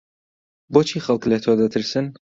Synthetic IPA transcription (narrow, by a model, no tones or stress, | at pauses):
boːt͡ʃʰixɐlˠklɐt̪ʰod̪ɐt̪ʰɨɾsɨn